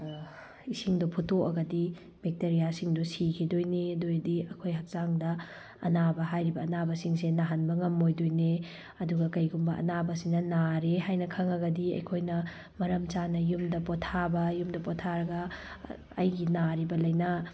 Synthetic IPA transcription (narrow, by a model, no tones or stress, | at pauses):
isiŋdupʰutoɐɡɐdi | bek̚teɾijasiŋdusikʰidojnedojdiɐkʰojɦɐk̚saŋdɐ̰ː | nabɐɦajɾibɐːnabɐsiŋs̬enaɦanbɐŋɐmːojdojne | ɐduɡɐkɐjɡumbɐʔɐ̰nabɐsinɐnaɾeɦajnɐkʰɐŋɐɡɐdiɐ̰jkʰojnɐ | mɐɾɐmt͡ʃanɐjumdɐpɔtʰabɐjumdɐpɔtʰaɾɐɡɐ | ɐ̰jɡinaɾibɐlɐjnɐ